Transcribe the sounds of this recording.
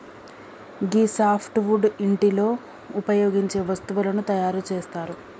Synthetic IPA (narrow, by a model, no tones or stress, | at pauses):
ɡiːsaːpʰʈʋuɖiɳʈilo̞ː | upɐjoːɡiɲt͡ʃe̞ːʋɐst̪uʋulɐnut̪ɐjaːɾut͡ʃe̞ːst̪aːɾu